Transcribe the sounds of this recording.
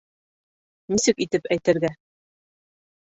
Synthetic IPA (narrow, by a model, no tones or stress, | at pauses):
nisɘkit̪ɘpæjt̪ɘ̆ɾɡæ